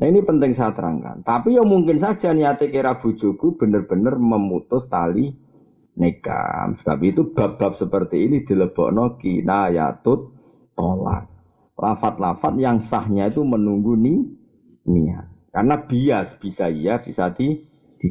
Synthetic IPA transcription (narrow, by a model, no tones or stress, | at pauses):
nainipənt̪ɪŋsat̪ɾa̰ŋka̰nt̪apijamuŋkɪnsad̥ʒ̥aniat̪ekeɾab̥ṳd̥ʒ̥oɡ̥ub̥ə̤nərb̥ə̤nərməmut̪ʊst̪ali | neɡ̥a̰msəb̥apiːt̪ub̥a̤p̚b̥a̤p̚səpərt̪iːnid̪̥i̤ləb̥ɔ̰ʔnɔkinaja̰t̪ʊt̪̚ː | ola̰t̪̚ | lafat̪̚lafat̪̚jaŋsahɲait̪umənuŋɡuni | nia̰karnab̥iasb̥isaijab̥isad̪i | d̪̥i